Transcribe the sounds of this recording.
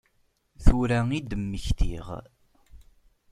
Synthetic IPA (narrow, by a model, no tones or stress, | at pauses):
θuɾæid̪əmːəçt̪ḭʁ